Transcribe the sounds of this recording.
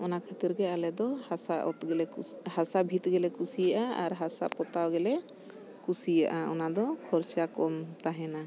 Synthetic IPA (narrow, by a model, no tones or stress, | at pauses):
ɔnakʰət̪iɾɡɛalɛd̪ɔhasaʔɔt̪ɡɛlɛhasabʱit̪̚ɡɛlɛkusijaʔaaɾɦasa̰pɔt̪awɡɛlɛ | kusija̰ʔaɔnad̪ɔkʰɔɾt͡ʃakɔmt̪aɦɛna